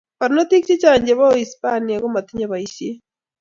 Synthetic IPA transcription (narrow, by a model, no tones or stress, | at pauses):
βaɾinot̪ikt͡ʃecaːɲɟeβaoispaniaɣomat̪iɲaβaiʃe